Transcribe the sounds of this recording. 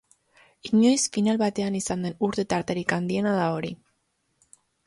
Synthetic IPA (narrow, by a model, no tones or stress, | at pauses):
iɲo̞jsfinalβat̪e̞anisand̪e̞nuɾt̪e̞t̪aɾt̪e̞ɾikand̪ie̞naðao̞ɾi